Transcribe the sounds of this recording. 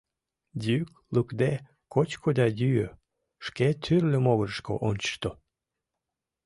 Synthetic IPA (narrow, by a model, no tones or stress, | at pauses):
d̪ʲyk | lukd̪e | kot͡ɕkʰod̪ɑd̪ʲyjø̰ | ʃket̪ʰyrlʲəmoɣəɾəʃko̰ʔonʲt͡ɕə̥ʃt̪o